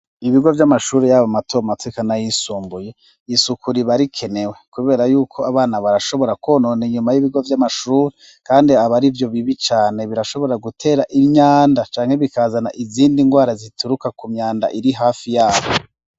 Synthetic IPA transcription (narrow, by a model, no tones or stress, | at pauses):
iβiɡo̞vjamaʃuːɾejaβamatʰoamatʰekanajisuːmbuje̞ | isukʰuɾiβaɾikʰe̞ne̞we̞kuβe̞ːɾajuːkʰo̞aβaːnaβaɾaʃo̞βo̞ɾakoːnoːniɲumajiβiɡovjamaʃuːɾe | kaːndiaβaɾivjo̞βiβit͡ʃaːne̞βiɾaʃo̞βo̞ɾaɡutʰe̞ːɾaʔimɲaːndat͡ʃaːŋ̥he̞βikaːzana̰ʔiziːndiŋɡwaːɾazitʰuɾukakumɲaːnda̰ʔiɾiɦaːfijaːβo